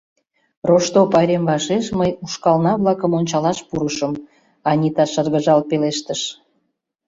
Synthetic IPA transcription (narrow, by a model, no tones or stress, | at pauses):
roʃt̪opɑɾʲemβɑʃeʃməjuʃkɑlnɑβlɑkəmonʲt͡ɕɑlɑʃpuɾəʃəm | ɑnʲit̪ɑʃərɣəʒɑlpeleʃt̪əʃ